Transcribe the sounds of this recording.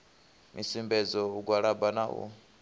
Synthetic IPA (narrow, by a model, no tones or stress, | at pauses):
misimbɛzɔuɡ̬waɺabanaʔṵ